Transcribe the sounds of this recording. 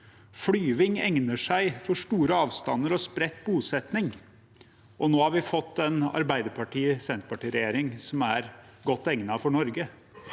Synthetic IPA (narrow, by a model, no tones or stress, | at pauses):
flyːʋɪŋɛ̰ŋnəʂæɪfɔʂʈuːɾəɑːʋst̪ɑnːəɾɔspɾɛt̪ːbuːsɛt̪nɪŋ | ʔɔnoːhɑɾʋɪfɔt̪ːɛnɑ̰ɾbæɪd̪əɾpʰɑʈʰiːsɛnt̪pʰɑʈiːɾɛjeːɾɪŋsɔmæɾɡɔt̪ːɛŋnɑfɔɳɔɾɡə